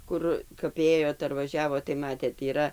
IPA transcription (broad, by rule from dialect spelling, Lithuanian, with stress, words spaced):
ˈkʊr kɐp ˈeːjoːt ɐr ʋɐˈʒʲæːʋoːt tɐɪ ˈmɑːtʲeːt iːˈrɐ